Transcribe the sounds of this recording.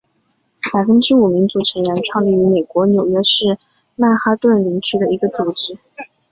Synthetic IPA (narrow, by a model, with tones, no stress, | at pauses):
pa˨˩ɪfə˥nʈ͡ʂɻ̩˥u˨˩mi˧˥ŋt͡su˧˥ʈ͡ʂʰə˧˥ŋɻɛ˧˥nʈ͡ʂʰwɑ˥˧ŋli˥˩y˧˥me˨˩ɪkwɔ˧˥njo˨˩ʊɥɛ˥ʂɻ̩˥˧ | na˥˩xa˥t̪wə˥˩nli˧˥ŋt͡ɕʰy˥d̪ə˧˨i˧˥ɡə˧t͡su˨˩ʈ͡ʂɻ̩˧˥